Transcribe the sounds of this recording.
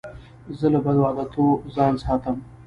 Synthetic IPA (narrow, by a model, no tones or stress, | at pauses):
zələbad̪wɑːd̪at̪ʰozɑːnsɑːt̪əm